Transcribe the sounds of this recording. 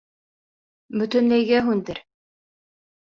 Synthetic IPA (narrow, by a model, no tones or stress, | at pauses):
bɵ̆t̪ɵ̆nlæjɡæɦʉnd̪ɘɾ